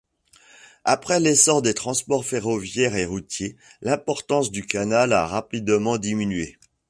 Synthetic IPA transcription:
a̰pχɛlesɔʁd̪et̪χɑ̃spɔʁfeʁɔvjɛʁeʁut̪je | lɛ̃pɔʁt̪ɑ̃sd̪ykanalaʁapid̪mɑ̃d̪iminɥe

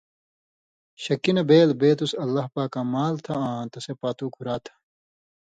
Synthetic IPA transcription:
ɕɐkinɐbeːlbeːt̪usɐlːɐɦpaːkːamaːlt̪ʰɐãːt̪ɐsepaːt̪uːkʰuɾaːt̪ʰɐ̥

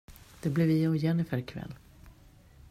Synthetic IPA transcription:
d̪̥ɛblɛvɪɔjɛnɪfœɾkʰvɛ̰lː

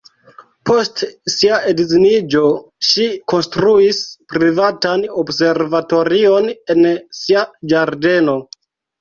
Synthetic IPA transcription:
po̞stsiaedzinid͡ʒo̞ʃiko̞nstɾuispɾivatanobse̞ɾvato̞ɾio̞ne̞nsiad͡ʒaɾde̞no̞

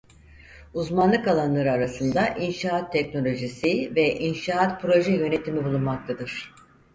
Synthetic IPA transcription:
uzmanlˠɯkalˠanlˠaɾɯaɾasɯnd̪aʔinʃaːt̪ʰːɛcno̞lʲo̞ʒisivɛʔinʃaːat̪pʰɾo̞ʒɛjø̞ne̞t̪ʰimibulˠunmak̚t̪ʰad̪ɯɾ̥

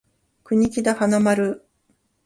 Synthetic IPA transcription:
kɯ̟ɲ̟ikʲid̪ahanamaɾɯ̟

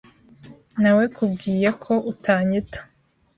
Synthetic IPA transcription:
nawekʰubɡiːjekʰo̞ʔutʰaːɲitḁ

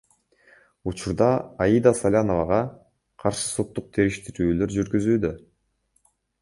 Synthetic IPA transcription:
ut͡ʃuɾd̪ɑːjid̪ɑsalʲano̞vɑʁɑ | qʰɑɾʃɯ̥so̞t̪ːuq̚t̪ʰe̞ɾiʃt̪iɾyːlø̞ɾd͡ʒyɾɡyzyːd̪ø

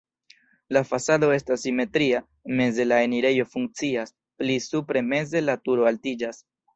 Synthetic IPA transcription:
lafasado̞e̞stasːime̞tɾia | me̞ze̞lae̞niɾe̞jo̞fuŋk̚t͡sias | plisupɾe̞me̞ze̞latuɾo̞altid͡ʒas

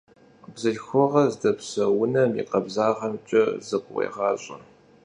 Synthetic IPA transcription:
bzɨɮxʷɔʁɐzdɐpsɐwʊnɐmḭqɐbzaːʁɐmt͡ʃʼɐzɨqʷwḛːʁɑːɕʼɐ̰

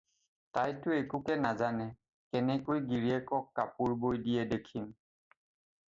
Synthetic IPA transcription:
tajtʊekukɛnazanɛ | kɛnɛkojɡiɹiɛkɔkːapuɹbojdijɛdɛkʰim

